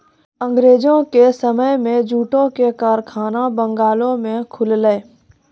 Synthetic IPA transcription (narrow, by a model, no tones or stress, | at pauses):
ə̃ŋɡɾeːd͡ʒõkesəməjmẽd͡ʒuːʈõkekaːɾkʰaːnabə̃ŋɡaːlõmẽkʰʊlləː